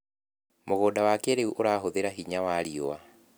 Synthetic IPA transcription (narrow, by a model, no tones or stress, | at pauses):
moɣodawakɛɾeuʔoɾaːɦoðeɾaɦiɲawaɾiɔwa